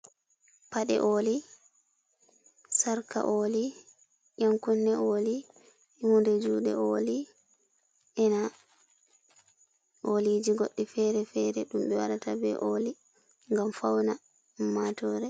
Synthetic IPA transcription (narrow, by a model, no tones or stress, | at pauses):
paɗɛ̰ʔoːli | saɾka̰ʔoːli | jaŋkunːɛʔoːli | hundɛd͡ʒuːɗɛ̰ʔoːli | ʔɛna | ʔolid͡ʒiɡoɗːifɛɾɛfɛɾɛɗumɓɛwaɗatabɛ̰ʔoːli | ŋɡamfawna | mːatɔːɾɛ